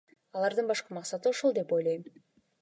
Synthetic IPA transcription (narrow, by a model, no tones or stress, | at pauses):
ɑlˠɑɾd̪ɯnbɑʃqɑmɑqsɑt̪ɯoʃolˠd̪e̞po̞jlˠɑjm